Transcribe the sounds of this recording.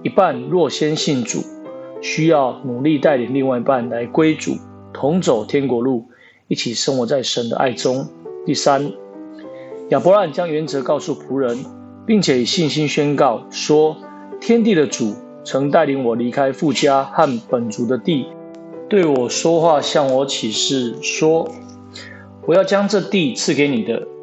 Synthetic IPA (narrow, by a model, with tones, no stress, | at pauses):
i˧˥pa˥˨nlwɔ˥˨ɕjɛ˦nɕi˥˩nt͡sṵ˨˩ɕy˥jɑ˥˩ʊnu˨˩li˥˨t̪a˥˩ɪli˨˩ŋli˥˧ŋwa˥˩ɪi˨˦pa˥˨˩nla˧˦ɪkwe˥ɪt͡sṵ˨˩˦ | t̪ʰʊ˧˥ŋt͡so˨˩ʊt̪ʰjɛ˥nkwɔ˧˥lu˥˩ | i˥˩t͡ɕʰi˨˩ʂə˦ŋwɔ˨˩t͡sa˥˩ɪʂə˨˦nd̪ə̰˦ʔa̰˥˩ɪt͡sʊ˦ŋt̪i˥˩sa˦n | ja˨˩pɔ˧˦la˥˨nt͡ɕja˦˥ŋɥɛ˨˦nt͡sɤ˧˥kɑ˥˧ʊsu˥˩pʰu˧˥˦ɻə˧˦n | pi˥˩ŋt͡ɕʰjɛ˨˩i˨˩ɕi˥˨nɕi˦nɕɥɛ˦nkɑ˥˩ʊʂwɔ˥ | t̪ʰjɛ˥˦nt̪̬i˥˨də˨t͡su˨˩ | t͡sʰɤ˧˦ŋt̪a˥˩ɪli˨˥ŋwɔ˨˩li˧˥kʰa˦ɪfu˥˨t͡ɕja˦ha˥˨npə˨˩nt͡su˧˥d̪ə˧t̪i˥˨ | t̪we˥˩ɪwɔ˨˩ʂwɔ˥xwa˥˨ɕjɑ˥˩ŋwɔ˧˥t͡ɕʰi˨˩ʂɻ̩˥˩ʂwɔ˥ | wɔ˨˩ja˥˩ʊt͡ɕja˦˥ŋʈ͡ʂɤ˥˧t̪i˥˨t͡s̩ʰ˥˨ke˨˥ɪni˨˩d̪ə˦